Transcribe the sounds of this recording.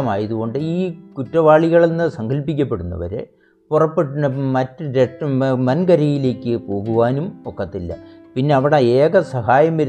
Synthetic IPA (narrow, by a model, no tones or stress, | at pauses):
maːjɐðuɣo̞ɳɖɨiːkutːɐʋaːɭiɣɐɭenːɨsɐŋɡɐlpːikʲːɐpːe̞ɽunːɐ̰ʋɐ̰ɾḛ | purɐpːeʈːunːɐmɐtːɨɾeʈmɐnɡɐɾɐjile̞ːkʲːɨpo̞ːɣuʋaːnumokːɐt̪ːilːɐ̰pinːe̞ɐʋiɽeeːɣɐsɐɦaːjɐmʋɐɾ